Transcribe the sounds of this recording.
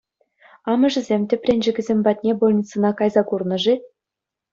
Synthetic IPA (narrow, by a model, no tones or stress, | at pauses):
ɑmɤ̆ʐɘ̆zʲemʲtʲɘ̆pʲrʲenʲʒɘ̆ɡʲɘ̆zʲemʲbɑt̪ʲnʲebolʲˠnʲit͡sɤ̆nɑkɑjzɑkurnɤ̆ʐi